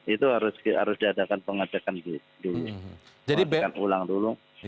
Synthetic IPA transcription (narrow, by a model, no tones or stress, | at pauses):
it̪uɦaɾʊskha̰ɾʊsdiadakanpəŋad͡ʒakandi | dulu | d͡ʒadibkanulaŋdulu